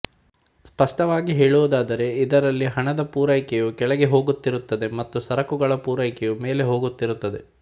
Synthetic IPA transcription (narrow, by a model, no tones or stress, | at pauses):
spɐʂʈɐʋaːɡiɦeːɭuʋud̪aːd̪ɐɾe̞id̪ɐɾɐlːiɦɐɳɐd̪ɐpuːɾɐjkɛjukɛɭɐɡe̞ɦo̞ːɡut̪ːiɾut̪ːɐd̪e̞mɐt̪ːusɐɾɐkuɡɐɭɐpuːɾɐjkɛjume̞ːle̞ɦo̞ːɡut̪ːiɾut̪ːɐd̪e̞